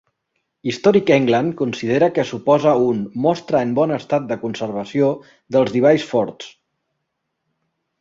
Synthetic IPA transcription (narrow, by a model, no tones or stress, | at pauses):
ist̪ɔɾikɛŋɡlənkunsiðeɾəkəsupɔzəunmɔst̪ɾəːmbɔnəst̪at̪̚d̪əkunsəɾβəsio | ðəlˠzðiβ̞ajsfɔɾt̪s